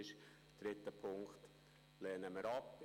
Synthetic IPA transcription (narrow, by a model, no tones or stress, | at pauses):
ɪʃ | d̥ɾɪt̪ːəpʰʊŋkχt̪ | lɛːnəməɾɑp